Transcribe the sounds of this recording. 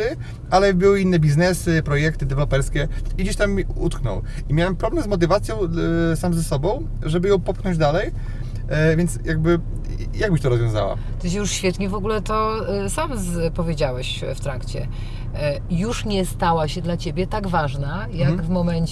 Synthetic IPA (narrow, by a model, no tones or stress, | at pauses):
ɘ | alɛbɘwɘinːɛbʲiznɛsɘpɾɔjɛk̚t̪ɘd̪ɛvɛlɔpɛɾskʲɛid͡ʑeɕt̪amiṵt̪knɔ̰w | imʲawɛmpɾɔblɛmzmɔt̪ɘvat̪sʲjɔ̃w̃samzɛsɔbɔ̃w̃ | ʐɛbɘjɔ̃w̃pɔpxnɔ̃ɲd͡ʑd̪alɛj | vʲjɛnt̪sjaɡbɘ | jaɡbɘɕt̪ɔɾɔzvʲjɔ̃w̃za̰wa̰ | t̪ɪɕjuʂɕfʲjɛt̪ɲɛvɔɡulɛt̪ɔsamzpɔvʲjed͡ʑawɛɕ | ft̪ɾakt͡ɕɛ̰ | juʂɲɛst̪awaɕɛd̪lat͡ɕebʲjɛt̪aɡvaʐna | jaɡvmɔmɛɲt͡ɕ